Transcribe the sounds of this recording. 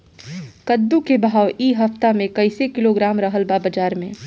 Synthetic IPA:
kɐd̪ːukebʱaːwiːɦɐft̪amẽkɐɪsekɪloɡɾaːmɾəɦəlbaːbɐd͡ʒaːɾmẽː

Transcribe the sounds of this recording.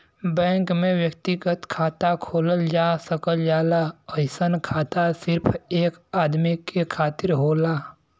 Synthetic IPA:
bɛ̃ːŋkmẽwjəkt̪ɪɡət̪kʰaːt̪akʰoːləld͡ʒaːsəkəld͡ʒaːlaəɪsənkʰaːt̪asɪɾpʰeːkaːd̪mikekʰaːt̪ɪɾɦoːlaː

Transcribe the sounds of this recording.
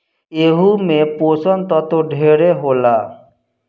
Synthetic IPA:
eɦumeposɔnt̪ɔt̪oɖʱeɾeɦola

